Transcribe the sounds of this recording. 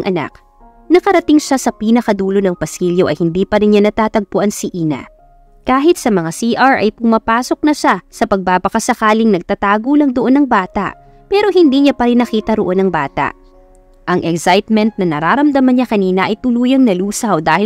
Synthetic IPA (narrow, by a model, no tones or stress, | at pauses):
ŋʔɐna̰k̚ | nɐkɐɾɐt̪ɪŋʃasɐpiːnɐkɐd̪uːlo̞nɐŋpɐsiːljoʔɐ̰jhɪnd̪iːpɐɾɪnɲanɐt̪aːt̪ɐɡ̚pʊʔɐnsiʔiːna̰ | kaːɦɪt̪̚sɐmɐŋasiʔɐɹʔɐ̰jpʊmɐpaːso̞k̚nɐʃasɐpɐɡ̚baːbɐkɐsɐkaːlɪŋnɐɡ̚t̪at̪aːɡolɐŋd̪oʔo̞nɐŋbaːt̪ɐ̰ʔ | pɛːɾo̞hɪnd̪iːɲapɐɾɪnːɐkiːt̪ɐɾoʔo̞nɐŋbaːt̪ɐ̰ʔ | ʔɐŋʔɛksajt̪̚mɛnt̪̚nɐnɐɾaːɾɐmd̪ɐmɐnɲakɐniːnɐʔɐjt̪ʊluːjɐŋnɐluːsɐwd̪aːhɪ